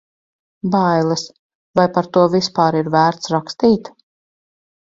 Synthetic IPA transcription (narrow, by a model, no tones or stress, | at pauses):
bajlˠɨs | vajpaɾt̪uɔvispaːɾiɾvæːɾt̪sɾakst̪iːt̪